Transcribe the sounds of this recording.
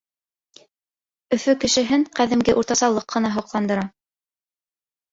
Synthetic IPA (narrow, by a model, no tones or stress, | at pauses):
ɵ̆fɵkɘ̆ʃɘ̆ɦɘɴqæðɘ̆mɡɘʔuɾt̪ɑsɑlˠːɤqʰːɤ̆nɑɦŏqlˠɑnd̪ɤ̆ɾɑ